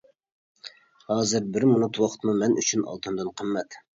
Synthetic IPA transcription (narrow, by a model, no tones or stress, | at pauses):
hɑːzɪɾbɪɾmunut̪ʰwɑqʰt̪mumɛnʔyt͡ʃʰynɑ̰lˠt̪ʰɨnd̪ɨnqʰəmːɛt̪